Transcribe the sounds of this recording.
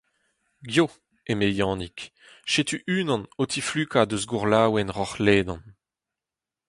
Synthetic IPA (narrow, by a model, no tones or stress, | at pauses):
ɡjo | emejɑ̃ːnik | ʃet̪yʔyːnɑ̃not̪ʰiflyːkad̪øzɡuʁlaːwɛnʁɔχleːd̪ɑ̃n